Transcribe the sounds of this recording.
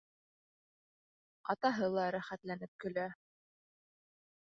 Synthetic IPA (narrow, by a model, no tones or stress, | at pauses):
ɑt̪ɑɦɤlˠɑɾæχæt̪lænɘp̚kɵ̆læ